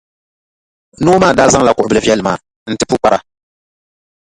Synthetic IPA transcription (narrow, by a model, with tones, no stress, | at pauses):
noː˦maː˦˨daː˦za˦ŋla˦˨kʊ˨ʔʊ˨bɨ˦lɨ˦vɛ˦lma̰ː˨ | n̩˦tɨ˦pu˦k͡pa˦ɾa˨